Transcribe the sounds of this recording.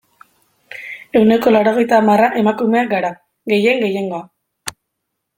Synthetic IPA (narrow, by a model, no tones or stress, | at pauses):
e̞wne̞ko̞laɾo̞ɣ̞e̞jt̪amaraʔe̞makume̞akɡaɾa | ɣe̞je̞ŋɡe̞je̞ŋɡo̞a